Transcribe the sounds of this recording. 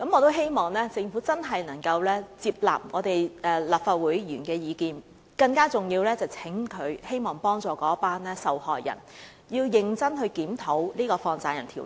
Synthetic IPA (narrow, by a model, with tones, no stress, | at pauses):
kɐ˨˥mɔː˨˧t̪̬o˥wɦe˥jmɔː˨˩ŋlɛː˥t͡sɪ˧ŋfuː˨˥t͡sɐ˥nɦɐ˨jnɐ˨˩ŋkɐ˧wlɛː˥t͡siː˧p̚la̰ː˨p̚ŋɔː˨˧t̪e˨jʔɛː˨laː˨p̚faː˨t̚wuː˨˥jjyː˨˩nkɛː˧jiː˨˧kiː˨˧n | kɐ˧ŋkaː˥t͡sʊ˨ŋjiː˧wlɛː˥t͡sɐ˨˩wt͡sʰɪ˨˥ŋkʰɵ˨˧ɥhe˥jmɔː˨˩ŋpɔː˥ŋt͡sɔː˨˩kɔː˨˦˥paː˥nlɛː˥sɐ˨˩whɔː˨jjɐ̰˨˩n | jiː˧wjɪ˨˧ŋt͡sɐ˥nhɵ˧ɥkiː˨˥mt̪ʰo˨˥wliː˥kɔː˧fɔː˧ŋt͡saː˧jɐ˨˩nt̪ʰiː˨˩w